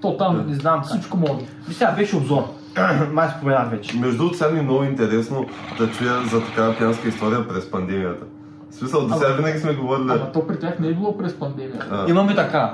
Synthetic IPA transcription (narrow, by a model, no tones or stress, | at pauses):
t̪ot̪alˠmẽizasipʃkomɔd̪ | ɾsʲavɛʃubzɔɾ | majspuvɛjavɛt͡ʃmɛʒd̪ut̪sanʲinɔɡʊint̪ɛɾɛsnod̪ɐt͡ʃujɐzɐt̪ɐkavɐpianskɐist̪ɔɾijɐpɾɛspɐnd̪ɛmijɐt̪ɐ | smisɐlˠd̪osavinɐɡʲismɛɡovɔɾilʲimɐt̪ɔpɾit̪ɛt̪niɡlˠopɾɛspɐ̃nd̪ɛmiɐ̰ainɐ̃m̃it̪ɐka